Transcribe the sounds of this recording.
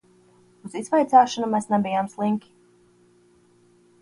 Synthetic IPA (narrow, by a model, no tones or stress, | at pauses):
uz̥izvajt̪saːʃɔnumɛsnɛbijamslˠiŋkʲi̥